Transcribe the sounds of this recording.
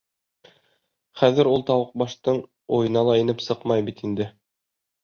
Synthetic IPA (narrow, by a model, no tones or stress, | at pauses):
χæðɘ̆ɾulˠt̪ɑwɤq̚bɑʃt̪ɤɴ | ujɤ̆nɑlˠɑinɘpsɤqmɑjbit̪ind̪ɘ